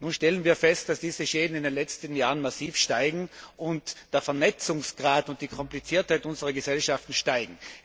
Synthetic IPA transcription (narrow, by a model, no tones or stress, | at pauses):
nuːnʃtɛlənviːɐfɛst̚d̥asd̥iːzəʃeːdn̩ɪndenlɛt͡stən̩jaːʁənmasiːfʃtaɪɡŋ̩ʔʊntd̥eːɐfɛɐnɛt͡sʊŋsɡ̥ʁaːtʊnt̚d̥iːkʰɔmplit͡siːɐthaɪtʔʊnzəʁɐɡəsɛlʃaftn̩ʃtaɪɡŋ̩